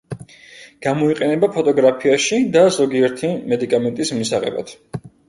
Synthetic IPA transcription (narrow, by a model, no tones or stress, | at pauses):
ɡ̥amɔiqʼɛnɛbapʰɔt̪ʼɔɡɾapʰiaʃid̪azɔɡiɛɾt̪ʰimɛd̪ikʼamɛnt̪ʼismisaʁɛ̰ba̰t̪ʰ